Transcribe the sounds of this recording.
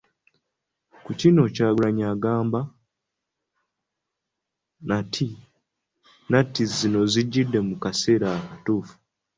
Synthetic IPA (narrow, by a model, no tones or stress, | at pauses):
kucino̞caːɡulaɲaɡaːmba | natʰi | natizino̞ziɟːidːe̞mukase̞ːɾakatuːfu̥